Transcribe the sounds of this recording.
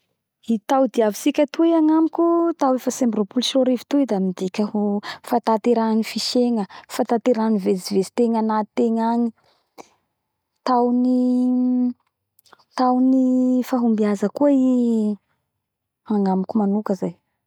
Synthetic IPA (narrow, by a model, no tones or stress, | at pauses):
it̪awd̪iavi̥sikʲət̪uiaŋamikʲut̪awefəsembɾopulʃoɾivi̥t̪uid̪amid̪ikʲəhufat̪at̪eɾaanifiʃeŋəfat̪at̪eɾanivezivezi̥t̪eŋanat̪eŋaɲi | t̪awni | t̪awnifaɦumbiazəkuəi | aŋamikʲumanukəzaj